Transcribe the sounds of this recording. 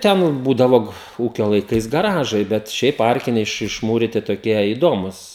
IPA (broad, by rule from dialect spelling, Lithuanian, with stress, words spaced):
ˈtʲɛn ˈbuːdɐʋoː ˈuːkʲoː lˠɐɪˈkɐɪs ɡɐˈrɑːʒɐɪ ˈbʲɛt ˈʃʲɛɪp ˈɐrʲkʲɪnʲɛɪ ɪʃ ɪʃˈmuːrʲɪtʲɪ toːˈkʲiɛ ɪ ˈdoːmuːs